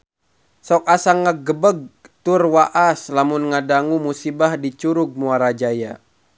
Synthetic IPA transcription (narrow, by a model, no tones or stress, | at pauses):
sɔk̚asaŋːaɡəbəɡ̚t̪urwaʔaslamunŋadaŋumusibahdit͡ʃuɾuɡ̚muaɾad͡ʒaja